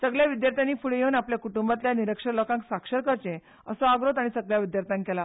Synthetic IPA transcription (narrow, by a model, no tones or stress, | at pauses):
səɡɭjaʋid̪jaɾt̪ʰjaniːfuɭjeuːnapljakuʈumbat̪ljaniɾəkʂəɾlokãŋksakʂəɾkəɾt͡ɕẽ | əsɔaɡɾot̪aɽ̃isəɡɭjaʋid̪jaɾt̪ʰjãŋkela